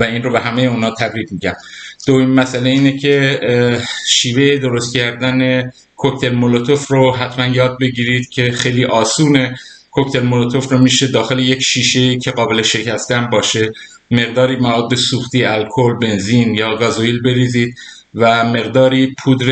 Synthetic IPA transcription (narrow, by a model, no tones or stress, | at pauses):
væiːnrobe̞ɦæme̞jeuːnhɒːt̪ʰæbɾiːb̪miːɟæmd̪̥ojimmæsʔæle̞iːnecʰe̞ | ʃiːve̞jed̪oɾo̞st̪̚cʰæɾd̪æne̞ | kʰoct̪ʰe̞lmolot̪ʰofroɦæt̪ʰmænjɒːd̪̚be̞ɟiːɾiːd̪̥cʰe̞xejliːʔɒːsuːne̞kʰoct̪ʰe̞lmolot̪ʰofɾomiːʃe̞d̪ɒːxele̞jecʃiːʃe̞jiːcʰe̞ɣɒːbele̞ʃe̞cʰæst̪æmbɒːʃe̞ | me̞ɣd̪ɒːɾiːmævɒːd̪̚bːe̞suːxt̪iːælkʰolbe̞nzinjɒːɡɒzoilbe̞ɾiːziːd̪̥̚ | væme̞ɣd̪ɒːɾiːpʰud̪ɾe